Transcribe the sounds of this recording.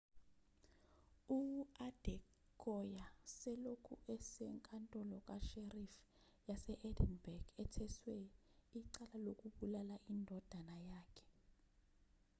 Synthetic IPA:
uad̥ʱɛ | kʰɔjasɛlokʰṵʔɛsɛŋkʼantʼɔlɔk̬ʼaʃerif | jasɛʔɛdɛnbɛrɡ̥ɛtʰɛswɛ | iǀalalok̬ʼuɓulalaʔindʱɔd̥ʱanajaːkʰɛ̥

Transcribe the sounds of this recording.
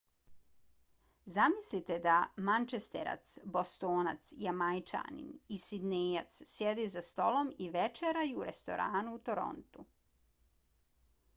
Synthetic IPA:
zamislit̪ed̪amant͡ʃest̪ḛɾa̰t̪sbo̞st̪oːnat̪sjamajt͡ʃa̰ːnḭnisid̪neja̰t̪ssjed̪izast̪o̞lo̞miʋet͡ʃeɾajuːɾest̪o̞̰ɾaːnuːt̪o̞ɾo̞̰nt̪u

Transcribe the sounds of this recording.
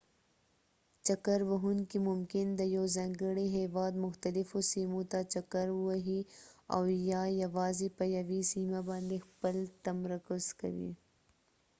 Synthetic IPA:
t͡ʃɐkəɾbɐɦunkimʊmkɪnd̪ɐjoːzɐ̃ŋɡəɽeɦeːʋɑːd̪mʊxt̪ɐlɪfosiːmõt̪at͡ʃɐkəɾwaɦia̰wjajɐʋaːzipɐjɐʋisiːmabãːnd̪expəlt̪ɐmɾɐkʊzkɐ̰wḭ

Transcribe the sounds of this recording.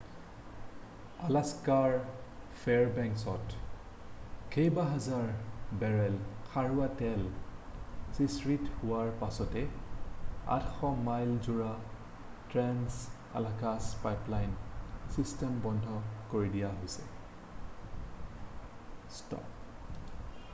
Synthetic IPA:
alaskaɹpʰɛɹbɛŋksɔt | kʰejbaɦazaɹbɛɹɛlxʰaɹʊatɛl | sisɹithʊwaɹpasɔtɛ | a̰txɔmajlzuɹa | tɹɛns | a̰lakaspajplajnsistɛmbɔndʱɔkoɹidijaɦojsɛ | stɔ̰p

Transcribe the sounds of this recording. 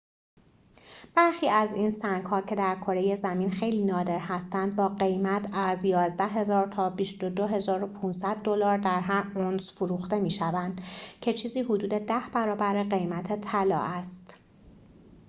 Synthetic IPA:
b̥æɾxiːæzinsæŋɡhɒːcʰe̞d̪æɾkʰo̞ɾeje̞zæmiːnxejliːnɒːd̪e̞ɾhæst̪ænd̪̚bɒːɢe̞jmæt̪ʰæzjɒːzd̪æɦe̞zɒːɾt̪ʰɒːbiʃt̪o̞d̪oɦe̞zɒːɾo̞pʰuːnsæd̪̚ːo̞lɒːɾd̪æɾɦæɾonsfoɾuːxt̪e̞miːʃævænd̪̥cʰe̞t͡ʃʰiːziːɦod̪uːd̪e̞d̪æhb̥æɾɒːbæɾeɣe̞jmæt̪ʰet̪ʰælɒ̰ːʔæst̪

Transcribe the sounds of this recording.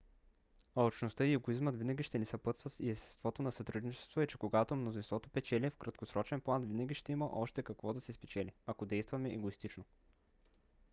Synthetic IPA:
ɐot͡ʃnost̪ɤiɛɡoizmət̪vinɐɡʲiʃt̪ɛnisɐpɤt̪svɐt̪iɛst̪ɛ̥st̪vɔt̪onɐsɐt̪ɾud̪nit͡ʃɛ̥st̪voɛt͡ʃɛkoɡat̪omnozinst̪vɔt̪opɛt͡ʃɛlʲiɛfkɾɐt̪kosɾɔt͡ʃɛnplˠanvinɐɡʲiʃt̪ɛimɐʔɔʃt̪ɛkɐkvɔd̪ɐsɛspɛt͡ʃɛliɐkod̪ɛjst̪vɐmɛʔɛɡoist̪it͡ʃno

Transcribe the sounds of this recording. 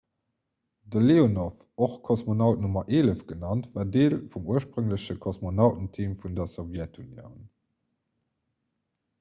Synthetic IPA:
dəleːonof | oχkʰosmonɑʊt̚numɐʔeːləfɡ̥ənɑntvaːɐdeːlfumuəʃpʁəŋləɕəkʰosmonɑʊtn̩tʰiːmfundɐsovjɛtʰunjo̰ʊn

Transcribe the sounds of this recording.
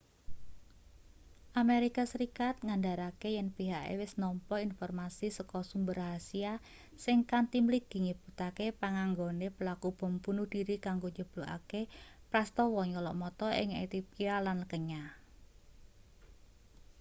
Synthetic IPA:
ʔameɾikasəɾikat̪̚ŋandaɾakejɛnpiɦaʔḛwɪsnɔmpɔinfɔrmasisəkɔsumbərɦasia | sɪŋkant̪imlik̚d̪̥i̤ŋib̥ut̪akepaŋaŋɡonepəlakub̥ɔ̤mpunud̥iɾikaŋɡoɲd͡ʒəb̥luʔa̰kepɾast̪ɔwɔɲɔlɔ̰ʔmɔt̪ɔʔɪ̰ŋet̪ipialanləkəɲa

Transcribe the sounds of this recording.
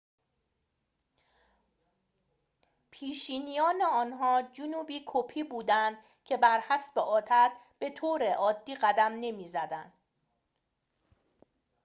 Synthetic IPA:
pʰiːʃiːnijɒːneɒːnɦɒːd͡ʒunuːbiːkʰopʰiːbuːd̪ænd̪ | cʰe̞bæɾhæsbeʔɒːt̪ʰæt̪ | b̥e̞t̪ʰoːɾe̞ʔɒːd̪ːiːɢæd̪æmne̞miːzæd̪ænd̪̥

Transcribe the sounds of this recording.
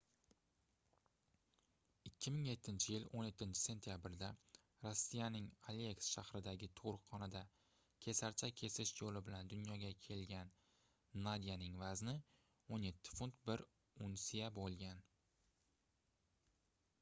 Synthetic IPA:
ɪkʲʰːɪmɪŋje̞t̪ʰːɪnt͡ʃʰɪjɪlonje̞t̪ʰːɪnt͡ʃʰɪ̥se̞nt̪ʰijabɪɾd̪a | ɾosːijanɪŋaleksʃahɾɪd̪aɡʲɪt̪ʰoɾqʰːɒnad̪a | kʲʰe̞saɾt͡ʃʰakʲʰe̞sɪʃjolɪbɪland̪ʊnjɒɡʲakʲʰe̞lɡʲan | nad̪ijanɪŋvaznɪ | onje̞t̪ʰːɪ̥fʊnt̪bɪɾ | ʊnsijabolˠɡʲan

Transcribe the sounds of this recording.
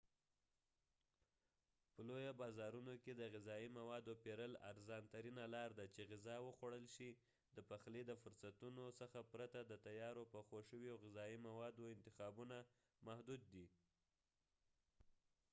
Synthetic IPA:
pəlojobɑzɑɾunoked̪əɣɪzɑimawɑd̪opeɾəla̰ɾzɑnt̪aɾinalɑɾd̪at͡ʃeɣɪzɑwəxwaɽəlʃi | d̪əpaxled̪əfʊɾsat̪unosəxapɾat̪ad̪ət̪ajɑɾopəxoʃəwjoɣɪzɑimawɑd̪oɪnt̪ɪxɑbuna | mahd̪ud̪̚ːi

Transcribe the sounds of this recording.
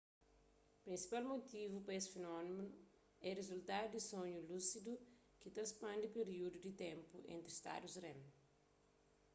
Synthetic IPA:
pɾĩnsi̥palmot̪ivupɐesfenɔnimenu | ɛrezult̪ad̪ud̪isõɲulusid̪u | kit̪ɐspɐ̃nd̪ipeɾiud̪ud̪it̪ẽmpuḛ̃nt̪ɾist̪a̰d̪usrẽm

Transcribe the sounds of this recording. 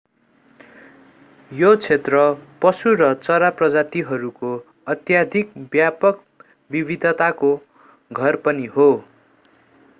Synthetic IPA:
jot͡sʰet̪rʌpʌsuɾʌt͡sʌɾaprʌd͡zat̪iɦʌɾuko | ʌt̪jad̪ʱik̚bjapʌk | bibʱid̪ʱʌt̪ako | ɡʱʌrpʌniɦo

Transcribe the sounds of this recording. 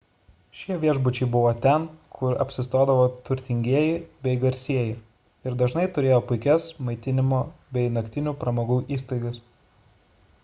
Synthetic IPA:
ʃʲiɛʋʲiɛʒbʊt͡ʃʲɛɪbʊʋoːt̪ʲɛnkʰʊɾɐ̰pʲsʲɪst̪oːd̪ɐʋoːt̪ʊɾʲt̪ʲɪŋʲɡʲiɛjɪbʲɛɪɡɐɾʲsʲiɛjɪ | ɪɾd̪ɐʒnɐɪt̪ʊɾʲeːjoːpʊɪkʲɛsmɐɪt̪ʲɪnʲɪmoːbʲɛɪnɐkʲt̪ʲɪnʲuːpɾɐmoːɡuːʔiːst̪ɐɪɡɐs

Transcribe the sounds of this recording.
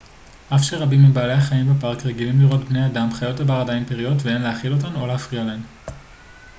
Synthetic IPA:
ʔafʃeʁabimːibaːle̞jaχaimbepaʁkʁe̞ɡilimliʁo̞tbneadamχajo̞tabaʁadainpeʁijo̞tvee̞nleaχilo̞t̬anoleafʁialeen

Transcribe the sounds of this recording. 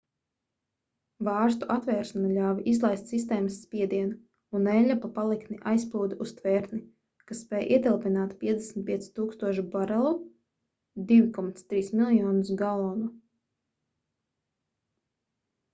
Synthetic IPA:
vɑːɾst̪uʔat̪vɛːɾʃanalʲaːvʔizlˠajst̪sist̪ɛːməsːpʲiɛd̪iɛna | unɛlʲapapalˠikniʔajsplˠuːd̪ust̪vɛːɾt̪ni | kasːpɛːjʔḭɛt̪ɛlˠpinaːt̪pʲiɛd̪ʲɛsm̩t̪piɛt̪si̥t̪uːkst̪uɔʃibaɾɛlˠu | d̪ivʲikɔmat̪st̪ɾiːsmilˠjɔːnusɡalˠɔːnu

